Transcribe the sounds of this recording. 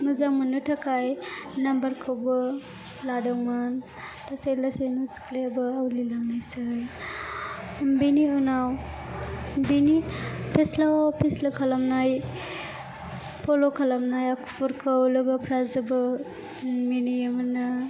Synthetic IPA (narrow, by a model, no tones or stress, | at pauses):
mɯzaŋmunːɯtʰakʰajnambaɾkʰawbɯ | ladaŋman | tʰasejlasejnɯsklebɯawlilaŋnajsɯj | biniunaw | binipʰeslawapʰeslakʰalamnaj | pʰɔlokʰalamnajakʰu̥pʰuɾkʰɯwlɯɡɯpʰɾazɯbɯ | minijamɯnɯ